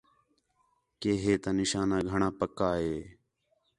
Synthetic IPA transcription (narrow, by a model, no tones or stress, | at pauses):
keːɦeːt̪aːnɪʃaːnaːɡʱəɳãːpəkːaːɦeː